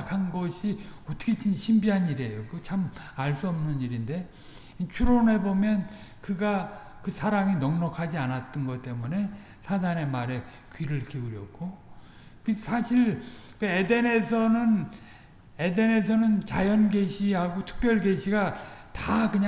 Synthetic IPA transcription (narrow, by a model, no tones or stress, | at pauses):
kʰanɡʌɕʰiot͈ʰɯ̥kʰet͡ɕʰiɕʰimbiɦaniɾe̞jokt͡ɕʰamaɭs͈uʌmnɯniɾinde̞ | t͡ɕʰuɾone̞bomjʌnkɯɡa | kɯsʰaɾaŋinʌŋnʌkʰad͡ʑianat͈ʌnɡʌt͈e̞mune̞ | sʰadane̞maɾe̞ | kɥiɾɯɭkiuɾjʌ̰k̚k͈o | kɯsʰaɕʰiɾ | kɯe̞de̞ne̞sʰʌnɯn | e̞de̞ne̞sʰʌnɯnt͡ɕajʌnɡe̞ɕʰiɦaɡotʰɯ̥k̚p͈jʌɭɡe̞ɕʰiɡatakɯɲ